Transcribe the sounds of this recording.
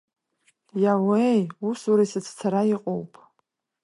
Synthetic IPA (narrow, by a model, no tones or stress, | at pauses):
jawejusuɾajsɨt͡sʰt͡sʰaɾaiqʼo̰wpʼ